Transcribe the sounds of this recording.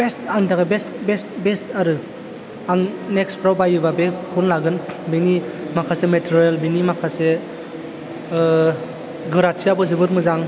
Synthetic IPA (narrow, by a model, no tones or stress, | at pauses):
b̥estaŋtakebestbestbestaɾɯ | aŋnekspʰɾawbajɯbabekʰunlaɡɯnbini | makʰasemetʰiɾialbinimakʰase | ɡɯɾasiabɯzibɯɾmɯzaŋ